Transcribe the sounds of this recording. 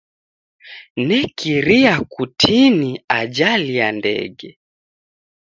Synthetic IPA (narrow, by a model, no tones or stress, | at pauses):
nɛkʰiɾiakutʰiniad͡ʒaliandɛ̰ɡɛ